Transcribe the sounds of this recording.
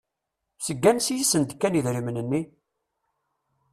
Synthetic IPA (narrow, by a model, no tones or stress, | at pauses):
səɡːænsjisənt̪kːæniðɾimənənːi